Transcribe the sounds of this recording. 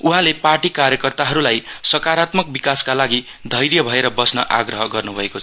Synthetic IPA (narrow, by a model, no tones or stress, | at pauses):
uɦãleparʈikaɾjʌkʌrt̪aɦʌɾulajsʌkaɾat̪mʌk̚bikaskalaɡi | d̪ʱʌjɾjʌbʱʌeɾʌbʌsnʌ̰ʔaɡrʌɦʌɡʌrnubʱʌekot͡sʰ